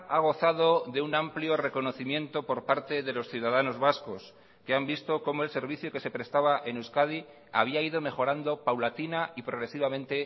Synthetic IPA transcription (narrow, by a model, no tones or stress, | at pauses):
aɣ̞o̞θaðo̞ðe̞unampljo̞re̞ko̞no̞θimjẽ̞nt̪o̞po̞ɾpaɾt̪e̞ðe̞lo̞sθjuðaðano̞zβasko̞s | ke̞ambist̪o̞ko̞moelse̞ɾβ̞iθjoke̞se̞pɾe̞st̪aβaʔenuskað̞i | aβ̞iaiðo̞me̞xo̞ɾand̪o̞pawlat̪inaipɾo̞ɣ̞ɾe̞siβ̞amẽ̞nt̪e̞